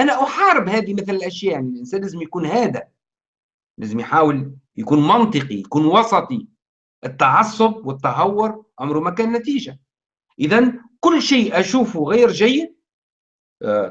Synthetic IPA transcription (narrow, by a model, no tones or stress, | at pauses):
ʔænæʔʊħɑːɾɪbhæːðimɪθlɪlʔæʃjæːʔʕnilʔɪnsæːnlæːzɪmjkuːnhæːd̪æ | læːzəmjħaːwəljakuːnmɑnt̪ˤɨqijkuːnwɑsˤɑt̪ˤi | ʔɪt̪ːɑʕɑsˤːʊb̚wɪt̪ːɑɦɑwːʊɾʕʊmɾumækæːnːæt̪iːʒa | ʔɪðænkʊlːʃiːʔæʃuːfuɣiːɾʒæjːɪd̪̚